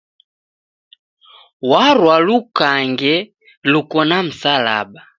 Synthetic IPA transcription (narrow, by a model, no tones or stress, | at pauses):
waɾwalukaŋɡɛ | lukɔnam̩sala̰ba